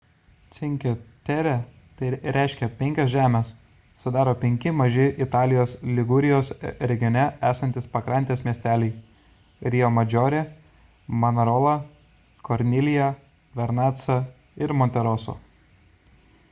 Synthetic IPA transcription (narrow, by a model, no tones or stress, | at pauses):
t̪sʲɪŋʲkʲot̪ʲɛɾʲɛ | t̪ɐɪɾʲɛˑɪʃʲkʲɛpʲɛŋʲkʲɛsʒʲæːmʲɛːsː | ʊd̪ɑːɾoːpʲɛŋʲkʲɪmɐʒʲɪʔɪt̪ɑːlʲɪjoːslʲɪɡʊɾʲɪjoːsɾʲɛɡʲɪjɔnʲɛæːsɐnʲt̪ʲɪspɐkɾɑˑnʲt̪ʲeːsmʲiɛsʲt̪ʲæːlʲɛɪ | ɾʲɪjoːmɐd͡ʒʲoːɾʲe | mɐnɐɾoːlˠɐ | kɔɾʲnʲɪlʲɪjɛ | ʋʲɛɾnɑːt̪sɐ | ɪɾmɔnʲt̪ʲɛɾoːso̰ː